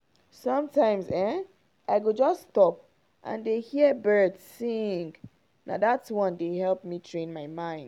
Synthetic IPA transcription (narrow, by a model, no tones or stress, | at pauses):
sʌ̃mtʰãɪ̃mzɛ̃ | ʔaɪɡod͡ʒɔsːtɔp̚ | ʔã̰ndehiəbɜ˞dsːĩŋ | na̰ðatswɔ̃ndehɛlˠp̚mitʰɹẽnmaɪmãɪ̃nd